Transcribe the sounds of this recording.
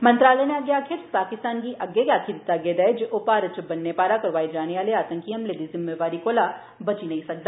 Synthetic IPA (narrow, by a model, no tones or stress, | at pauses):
mɐ̃nt̪ɾaːlɛneɐɡjakʰɪɾspaːkɪst̪aːnkiʔɐɡeɡaːkʰɪɾɪt̪ːaɡed̪ɐed͡ʒeʔoːpaːɾɐt͡ʃbɐnːepaːɾakɐɾʋaːid͡ʒaːneʋaːleaːt̪ə̃ŋkiɦɐmleːd̪izɪmːeʋaːɾikoːla | bɐt͡ʃinɐɦĩsɐk̚d̪aː